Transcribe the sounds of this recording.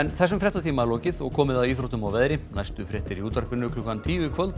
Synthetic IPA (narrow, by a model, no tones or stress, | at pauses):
ɛnθɛsːʏmfɾɛht̪at̪ʰiːmalɔːwcɪðɔɣkʰɔːmɪðaðiːθɾɔht̪ʏmawvɛðɾɪnajst̪ʏfɾɛht̪ɪɾiuːt̪aɾkvɪnːʏklʏhkant̪ʰiːjʏkʰvœlt̪